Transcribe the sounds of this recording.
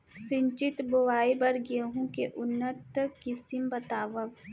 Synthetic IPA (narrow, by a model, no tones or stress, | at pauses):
sɪ̃ɲt͡ʃɪt̪bowaːibɐɾɡeɦũkeʔʊnːət̪kɪsɪmbət̪aːʋəʋ